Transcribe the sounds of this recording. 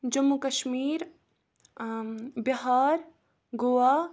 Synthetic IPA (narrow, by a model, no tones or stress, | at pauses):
d͡ʒɐmːukɐʃmiːɾ | biɦaːɾ | ɡoʋaː